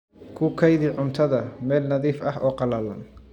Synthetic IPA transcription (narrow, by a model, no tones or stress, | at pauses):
kʰʊkʰɐjðɪʕʊnt̪ʰɐðɐmɛːlnɐðiːfɐɦɔːqɑlɐlɐn